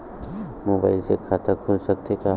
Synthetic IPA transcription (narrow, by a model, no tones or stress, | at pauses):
moːba̰ɪlsekʰat̪akʰʊlsək̚t̪eka